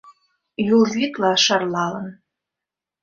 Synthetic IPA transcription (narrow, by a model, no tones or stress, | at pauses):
julzʲit̪lɑʃɑrlˠɑlɤ̆n